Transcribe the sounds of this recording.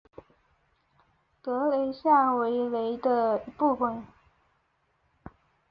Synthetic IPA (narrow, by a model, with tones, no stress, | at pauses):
t̪ɤ˧˥le˧˥ɪɕja˥˩nwe˧˥ɪle˧˥ɪd̪ə˧i˧˥pu˥˩fə˨˩n